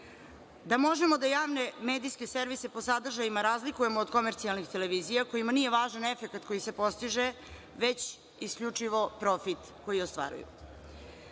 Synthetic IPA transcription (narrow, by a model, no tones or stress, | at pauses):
d̪amo̞ʒe̞mo̞d̪ajaːʋne̞meːd̪ijske̞seɾʋise̞po̞sad̪r̩ʒajimaɾaːzlikuje̞moːd̪ko̞meɾt̪sialˠnixt̪e̞le̞ʋiːzijako̞jimanije̞ʋaːʒane̞fe̞kat̪ko̞jise̞po̞st̪iʒe | ʋet͡ɕ | iskʎut͡ʂiʋo̞pɾo̞fit̪ | ko̞jiost̪ʋa̰ːɾṵjṵ